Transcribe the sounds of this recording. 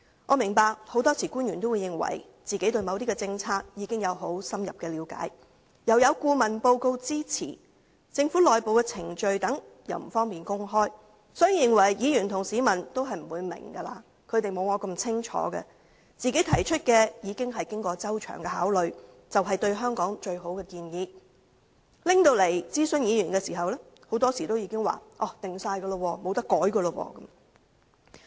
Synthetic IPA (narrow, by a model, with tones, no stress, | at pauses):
ŋʔɔː˨˧mɪ˨˩ŋpaː˧k̚ho˨˥wt̪ɔː˥t͡sʰiː˨˩kuː˥njy˨nt̪o˥wu˨˧jɪ˨˧ŋwɐ̰˨˩j | t͡siː˨ke˨˥jt̪ɵ˧ɥmɐ˨˧wt̪iː˥ɛː˧t͡sɪ˧ŋt͡sʰaː˧k̚jiː˨˧kɪ˥ŋjɐ˨˧wɦo˨˥wsɐ˥mjɐ̰˨p̚kɛː˧liː˨˧wka̰ː˨˥j | jɐ˨wjɐ˨˧wkuː˧mɐ˨˩npo˧wko˧wt͡siː˥t͡sʰḭː˨˩ | t͡sɪ˧ŋfuː˨˥lɔː˨˩jpo˨wkɛ˧t͡sʰɪ˨˩ŋt͡ʃɵ˧ɥt̪ɐ˨˥ŋ | jɐ̰˨˩wm̩˨˩fɔː˥ŋmiː˨˩nkʊ˥ŋɦɔː˥j | sɔː˨˥ji˧jɪ˨ŋwɐ˨˩jjiː˨˧jyː˨˩nt̪ʰʊ˨˩ŋsiː˨˥mɐ˨˩nt̪o˥wɦɐ˨jm̩˨˩wuː˨˧jmɪ̰˨˩ŋɡɐ˧laː˧ | kʰɵ˨˧ɥt̪e˨jmo˨˧wŋɔː˨˧kɐ˧mt͡sʰɪ˥ŋt͡ʃʰɔ̰ː˨˥ɡɛ̰˧ | t͡siː˨ke˨˥jt̪ʰɐ˨˩jt͡ʃʰɵ˥t̚kɛː˧jiː˨˧kɪ˥ŋɦɐ˨jkɪ˥ŋkɔː˧t͡sɐ˥wt͡ʃʰœ̰ː˨˩ŋɡɛː˧ɦaː˨˥wlɵ˨ɥ | t͡sɐ˨wɦɐ˨jt̪ɵ˧ɥɦœː˥ŋkɔː˨˥ŋt͡ʃɵ˧ɥɦo˨˥wkɛː˧kiː˧njiː˨˧ | lɪ˥ŋt̪o˧wle˨˩jt͡siː˥sɵ˨˧njiː˨˧jyː˨˩nkɛː˧siː˨˩ɦɐ˨wlɛ˥ | ho˨˥wt̪ɔː˥siː˨˩t̪o˥wjiː˧kɪ˥ŋwa̰ː˨ʔɔː˧˩t̪ɪ˨ŋsaː˧jɡə˧lə˧wɔː˧mo˨˧wt̪ɐ˥kːɔː˨˥jɡə˧lə˧wɔ̰ː˧kɐ˨˦m